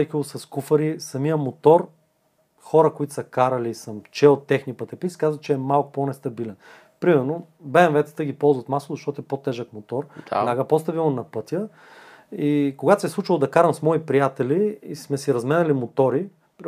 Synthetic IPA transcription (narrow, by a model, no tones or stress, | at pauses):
ɛkilˠosɐskufəɾisɐmijəmot̪ɔɾ | xɔɾəkoit̪ʊ̥sɐkaɾɐliːsɐmt͡ʃɛot̪ːɛxnipɐt̪ɛpit̪skazvət͡ʃɛːmalˠkʊ̥ponɛst̪ɐbilɛn | pɾimɛɾno | bɛɛnvɛt̪sə̥t̪əɡʲipɔlˠzvɐt̪maslˠʊzɐʃt̪ɔt̪ɛpot̪ɛʒəkmot̪ɔɾlaɡəpost̪ɐvilˠənɐpɤt̪ʲjə | ikoɡat̪o̥sɛslˠut͡ʃilˠʊd̪ɐkaɾəmsmɔipɾijat̪ɛliːsmɛsiɾɐzmɛnɐlimot̪ɔɾi